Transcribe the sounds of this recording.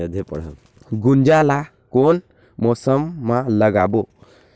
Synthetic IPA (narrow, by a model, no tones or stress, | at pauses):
əd̪ʱepɔ̰ɽɦɛl | ɡund͡ʒala | kon | mɔsəmːaləɡabɔ